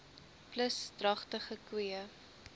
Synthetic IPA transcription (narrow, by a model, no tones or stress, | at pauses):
pləsdrɐχtəχəkwiə